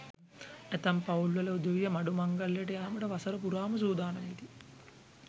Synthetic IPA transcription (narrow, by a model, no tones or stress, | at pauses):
et̪ɐmpɐulʋɐlɐud̪ɐʋijɐmɐɖumɐŋɡɐljeʈɐjaːmɐʈɐʋɐsɐɾɐpuɾaːmɐs̬uːd̪aːnɐmit̪i